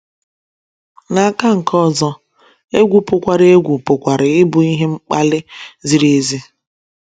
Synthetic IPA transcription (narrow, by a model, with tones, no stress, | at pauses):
na˨a˦ka˦ŋ̩˨kɔ˦˨zɔ˦ | e˦ɡʷu˨pʊ˨kʷa˨ɾe˦ɡʷu˨pʊ˨kʷa˨ɾɪ˨ɪ˦bʊ˨i˦ɦe˦ŋ͡m̩˦k͡pa˦lɪ˦zi˨ɾe˦e˦zi˦